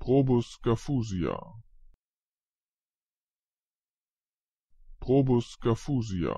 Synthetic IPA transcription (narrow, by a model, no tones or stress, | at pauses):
pʁobuskafuzia̰ | pʁobuskafuzia̰